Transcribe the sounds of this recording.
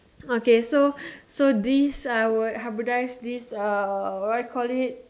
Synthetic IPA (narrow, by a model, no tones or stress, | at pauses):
okesosodisawudɦabudajsdisəɹakʰɔlit̚